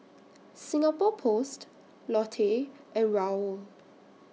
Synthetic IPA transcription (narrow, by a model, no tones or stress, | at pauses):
sĩŋapɔpʰost | lɔtʰeʔɛ̃nɹaəl